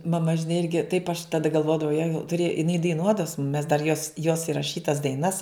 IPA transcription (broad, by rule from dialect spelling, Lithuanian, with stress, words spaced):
mɐˈmɐ ʒʲɪˈnɐɪ ˈɪrʲɡʲɪ tɐɪp ɐʃ tɐˈdɐ ɡɐlˠˈʋoːdɐʋɐʊ jɛ tʊˈrʲeːj ɪˈnɐɪ dɐɪˈnuɔdɐʋɐ sʊ mʊm mʲɛs dɐr joːs joːs ɪrɐˈʃʲiːtɐs dɐɪˈnɐs